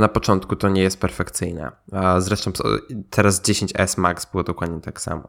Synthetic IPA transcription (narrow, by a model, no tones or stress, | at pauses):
napɔt͡ʂɔnt̪kut̪ɔɲɛjɛst̪̚pɛɾfɛkt̪sɘjnɛ̰zɾɛʂt̪ɔ̃w̰̃t̪ʰɛɾazd͡ʑeɕeɲt͡ɕɛ̰smaksbɘwɔd̪ɔkwad̪̚ɲɛt̪aksa̰mɔ̰